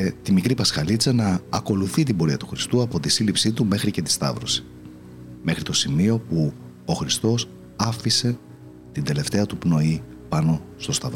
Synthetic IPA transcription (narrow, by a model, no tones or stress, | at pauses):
t̪imikɾipɐskɐlit͡sɐnɐːko̞luθit̪ibo̞ɾiɐt̪uxɾist̪uɐpo̞t̪isilipsit̪ume̞xɾice̞t̪i̥st̪ɐ̰vɾosi̥ | me̞xɾit̪o̞simio̞pu | oxɾist̪o̞s | ɐfise̞ | t̪ind̪e̞le̞ft̪e̞ɐt̪upno̞i | pɐno̞st̪o̞st̪ɐv